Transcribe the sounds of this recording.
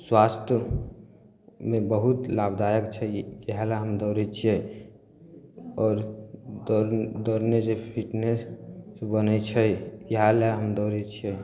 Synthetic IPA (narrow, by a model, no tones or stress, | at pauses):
swast̪ʰjə | mẽbəɦut̪labd̪ajəkt͡ʃʰɛjəɦalaɦəmd̪ɔɾɛt͡ʃʰiɛ | ɔːɾ | d̪ɔɾned͡ʒepʰiʈnesbənət͡ʃʰɛjəɦalaɦəmd̪ɔɾɛt͡ʃʰiɛ